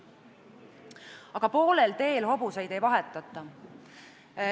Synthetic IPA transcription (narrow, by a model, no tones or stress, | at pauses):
ɑɡ̥ɑpo̞ːlelt̪e̞ːlɦo̞busejd̪̥ejvɑɦet̪ːˑɑt̪ːˑɑ